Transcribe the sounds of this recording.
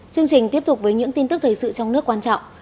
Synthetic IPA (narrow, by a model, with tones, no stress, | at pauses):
t͡ɕɨ˧əŋt͡ɕï˨˩ŋ̟t̪i˦˥əp̚t̪k͡p̚vəː˨˦jɲɨ̰˧˥ŋt̪i˧nt̪ɨ˦˥k̚t̪ʰəː˨˩jsɨ̰˧˨t͡ɕɔ˧wŋ͡mnɨ˦˥əkːwaː˧nt͡ɕɔ̰˧˨ŋ͡m